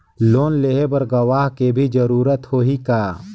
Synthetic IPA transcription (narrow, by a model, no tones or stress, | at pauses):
loːnleːɦebəɾɡɐwaːɦkebʱid͡ʒəɾuːɾət̪hoɦikaː